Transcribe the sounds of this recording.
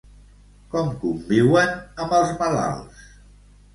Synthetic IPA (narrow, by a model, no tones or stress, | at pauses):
kɔmkumbiwənəməlˠzməla̰lˠs